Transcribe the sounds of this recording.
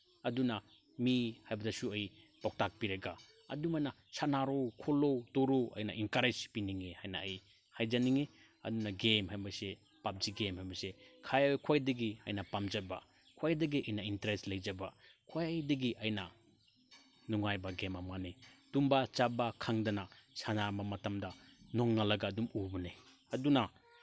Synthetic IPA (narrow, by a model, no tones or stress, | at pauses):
ɐduna | mihajbadasuɐj | pawk̚tak̚piɾeɡa | ɐ̰dumana | sanaɾokʰolotoɾoʔɐ̰jna̰ʔinkaɾed͡ʒpiniŋihajnaːj | hajd͡ʒaniŋe | ɐ̰dunaɡemhajmase | pap̚d͡ʒiɡemhajbasekʰajawkʰoajdeɡiɐ̰jnapamd͡ʒaba̰ | kʰoajdeɡiʔɐjnaintɾestlajd͡ʒaba | kʰojdeɡiʔɐjna | nuŋajbaɡemamŋanid̥umbat͡ʃabakʰaŋdanasʰanamamɐtamdanɔŋːalɐɡaːdumubune | ɐduna